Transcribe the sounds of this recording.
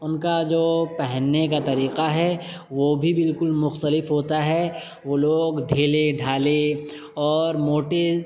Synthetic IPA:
ʊnkad͡ʒoːpɛɦɛnːekat̪ɐɾiːqaɦɛ | ʋoːbʱibɪlkʊlmʊxt̪əlɪfɦoːt̪aɦɛ | ʋoːloːɡɖʱeːleɖʱaːle | ɔːɾmoːʈe

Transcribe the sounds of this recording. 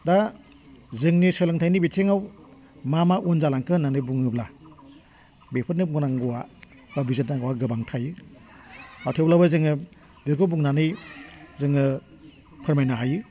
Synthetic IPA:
da | zɯŋnisɔjlaŋtʰajnibiteŋaw | mamaʔunzalaŋkʰɯnanɯbuŋɯbla | bepʰɯɾnɯbuŋnaŋɡɔwa | babizit̚naɡɔwaɡɯbaŋtʰajɯ | awtʰeblabɯzɯŋɯ | beɾkɯbuŋnanɯjzɯŋɯ | pʰɯɾmajnaɦajɯ

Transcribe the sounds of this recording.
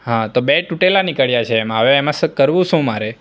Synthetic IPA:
ɦãt̪obeʈuʈelanikəɭjat͡ʃʰeːmaʋeːmãsəkəɾʋũʃũmaɾe

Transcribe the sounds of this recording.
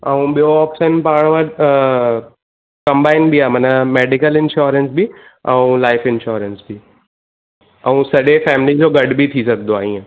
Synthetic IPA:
ɐũɓijoaːpʃənpaːɽ̃ʋəɾ | kɐ̃mbaːɪnbʱiaːmɐnəmeːɖɪkəlɪ̃nʃoːɾə̃nsbiɛ̃ũlaːɪfɪ̃nʃoːɾənsbʱi | ɛ̃ũsɐɗefɛːmɪlid͡ʑoːɡɐɖbʱit̪ʰisɐɡd̪oaːĩːẽ

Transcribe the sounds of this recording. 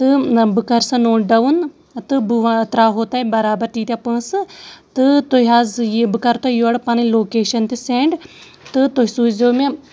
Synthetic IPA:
t̪ɨbɨkɐɾsɐnoːɖɐʋun | t̪ɨbʋt̪ɾaːɦoːt̪aːibɐɾaːbɐɾʈiːt̪ʲapɐ̃ːsɨt̪ɨt̪oɦiɦazjbɨkɐɾt̪ojoɽpɐniloːkeːʃɐnt̪iseːɳɖ | t̪ɨt̪oɦisuːzoːme

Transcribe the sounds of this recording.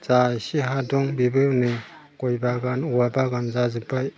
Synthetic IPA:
zajsiɦadɔŋbibɯni | kɔjbaɡanuwabaɡanzazɯpaj

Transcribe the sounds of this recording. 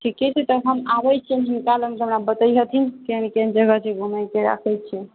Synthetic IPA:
ʈʰikɛt͡ʃʰɛt̪əɦəmabət͡ʃʰɛnɦinkalɦəmkeɦəmɾabət̪əjɦət̪ʰinkeɦənikend͡ʒəɡət͡ʃeɡʱuməjkeɾa̰kʰɛjt͡ʃʰɛ

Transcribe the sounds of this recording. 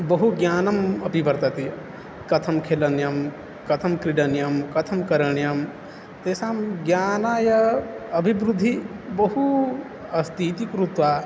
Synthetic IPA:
bɐɦuɡjaːnɐmɐpiʋɐɾt̪ɐt̪i | kɐt̪ʰɐmkʰeːlɐnjɐm | kɐt̪ʰɐmkɾiɖɐnjɐmkɐt̪ʰɐmkɐɾɐɳjɐm | t̪eːsaːmɡjaːnajɐɐbʱibɾud̪ʱːibɐɦu | ɐst̪ʰiːt̪ikɾut̪ʋaː

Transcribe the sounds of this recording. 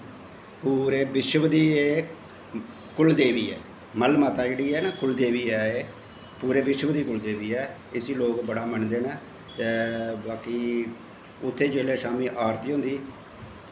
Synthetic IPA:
puːɾeːbɪʃəʋd̪iːeː | kʊld̪eːʋiːɛ̰ː | məlmaːt̪aːd͡ʒeːɽiːɛːnakʊld̪eːʋiːɛːeː | puːɾeːbɪʃəʋd̪iːkʊld̪eːʋiːɛː | ɪsiːloːkbəɽaːməɳd̪eːnː | t̪ɛːbaːkiː | ʊt̪ʰːeːd͡ʒeːleːʃaːmiːʔaːɾt̪iːɦõːnd̪iː

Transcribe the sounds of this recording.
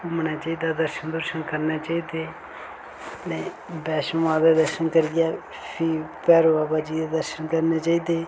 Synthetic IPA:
ʊmnaːt͡ʃaːiːd̪aːd̪əɾʃənd̪ʊɾʃənkəɾnaːt͡ʃaːiːd̪eː | nɛ̃ː | bɛːʃmaːbeːd̪əɾʃənkəɾd̪ɪjaː | pʰiːpɛːɾoːaːbaːd͡ʒiːd̪aːd̪əɾʃənkəɾneːt͡ʃaːiːd̪eː

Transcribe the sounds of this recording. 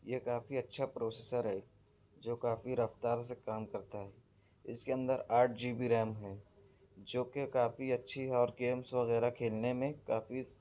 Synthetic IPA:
jekaːfiɐtːʃʰapɾoːseːsəɾɦɛ | d͡ʒoːkaːfiɾɐft̪aːɾsekaːmkɐɾt̪aɦɛː | ɪskeə̃nd̪əɾaːʈ̚d͡ʒiːbiɾɛːmɦɛː | d͡ʒoːkekaːfiɐtːʃʰiɦɛɔːɾɡeːmsʋɐɣɛːɾakʰeːlnemẽkaːfi

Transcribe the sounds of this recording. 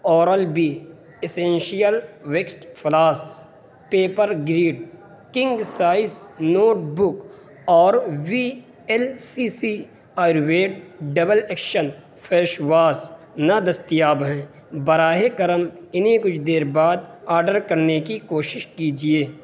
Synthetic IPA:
ɔːɾəlbi | ɪsẽːnʃijəlʋeksʈpʰlaːs | peːpəɾɡɾiːɖ | kɪ̃ŋɡsaːɪsnoːʈbʊk | ɔːɾwi | ɛlsisi | aːɾʋeːʈ̚ɖɐbəleːkʃən | pʰeːʃwaːs | nɐd̪ɐst̪ijaːbɦɛ̃ː | bɐɾaːɦekɐɾəmɪnɦẽkʊt͡ʃʰd̪eːɾbaːd̪̚aːɾɖəɾkɐɾnekikoːʃɪʃkiːd͡ʒieː

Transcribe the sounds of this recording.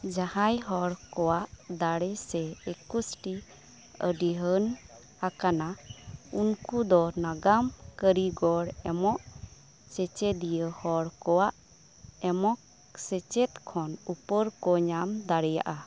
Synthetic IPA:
d͡ʒahajɦɔɽkɔwaʔd̪aɽɛsɛekusʈi | ə̰ɖiɦən | hakanaunkud̪ɔnaɡamkəɾiɡɔɽɛmɔʔ | sɛt͡ʃɛd̪ijəhɔɽkɔwaʔ | ɛmɔk̚ | sɛt͡ʃɛt̪kʰɔnupəɾkɔɲamd̪aɽɛja̰ʔa

